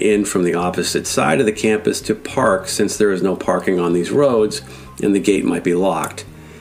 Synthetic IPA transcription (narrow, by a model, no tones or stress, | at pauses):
ʔɪ̃nfɹʌ̃mðiɑpɨzɨtsa̰ɪɾʌvðɨkʰæ̃mpɨstʰɨpʰɑɹksɪ̃nsðə˞ɨznoʊpʰɑɹkɪ̃ŋə̃nðizɹoʊdz | ʔɨ̰̃nðɨɡeɪt̚maɪt̚b̥ilɔk̚t̚